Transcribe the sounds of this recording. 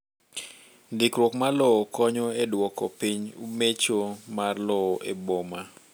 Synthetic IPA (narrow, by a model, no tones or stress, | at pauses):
ndɪkɾwɔkmalɔːkɔɲɔedwɔkɔpiɲumet͡ʃomarlɔʔeboma